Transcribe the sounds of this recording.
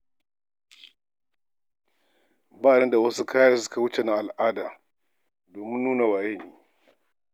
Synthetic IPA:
baː˦˨ɽɐ˦nda˨wɐ˦su˦kʰaː˦ja˦s̬ʊ̥˦ka˨wʊ˦t͡ʃe˨na˦ʔa˨lʔaː˦daː˨ | doː˨mɪ˦nːuː˦na˨waː˨je˦˨niː˦

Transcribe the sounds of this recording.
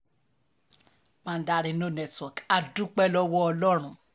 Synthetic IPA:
mãː˦˧n̩˦da˧ɾĩ˧nõ˦˨nɛ˦twɔ˨ka˨dũ˦k͡pɛ˦lɔ˦wɔ˦ɔ˧lɔ˦ɾ̃ũ˦˨

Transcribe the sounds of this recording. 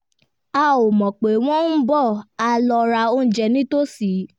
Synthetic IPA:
a˦˨o˨mɔ̃˨k͡pe˨w̃ɔ̃˦n̩˦bɔ˦˨a˧lɔ˧ɾa˧o˧˦n̩˦d͡ʒɛ˧nĩ˦to˦si˨˦

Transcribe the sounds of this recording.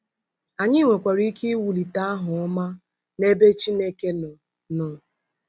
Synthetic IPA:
a˨ɲɪ˦ŋʷe˨kʷa˨ɾi˦ki˦wu˨li˨ta˦a˦ɦʊ˨ɔ˦ma˦ | ne˦be˦t͡ʃi˦ne˦ke˦nʊ˨ | nʊ˨

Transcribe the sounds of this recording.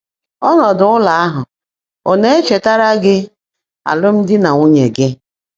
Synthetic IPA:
ɔ˦nɔ˨dʊ˨˦ʊ˦la˨a˦ɦʊ˨ | o˨ne˦e˦t͡ʃe˨ta˦ɾa˦ɡɪ˦ | a̰˨lʊ˦m̩˦dɪ˦na˨ŋʷʊ˦ɲe˨ɡɪ˦

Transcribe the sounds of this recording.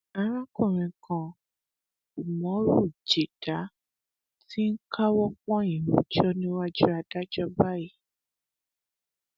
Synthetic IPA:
a˧˦ɾ̃ã˦kũ˦˨ɾ̃ĩ˨kã˨ | u˨mɔ̃˨˦ɾu˦˨d͡ʒe˨d̥a˨˦ | ti˦ŋ̩˦kʰa˦wɔ˦k͡pɔ̃˦ĩ˨wũ˨˦d͡ʒɔ˦nĩ˦wa˦d͡ʒu˦a˧da˦d͡ʒɔ˦ba˦ji˦˨

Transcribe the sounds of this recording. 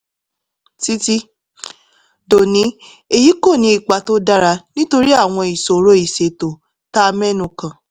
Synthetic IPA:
ti˦ti˦ | do˨nĩ˨˦ | e˨ji˨˦ko˦˨nĩ˧i˨k͡pa˨to˦da˦ɾa˧nĩ˦to˧ɾi˦a˦˨w̃ɔ̃˧i˨so˨˦ɾo˦i˨se˧to˨ | ta˦˧mɛ̃˦nũ˨kã˨

